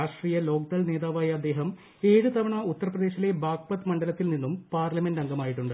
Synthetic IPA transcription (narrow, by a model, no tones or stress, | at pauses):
aːʂʈriːjɐlo̞ːk̚d̪ɐlneːðaːʋaːjɐːd̪ːe̞ːɦɐm | e̞ːɻut̪ɐʋɐɳɐut̪ːɐrɐprɐd̪eːɕile̞baːk̚pɐt̪ːmɐɳɖɐlɐt̪ːilninːumpaːrlɐmendɐŋɡɐmaːjiʈːuɳɖɨ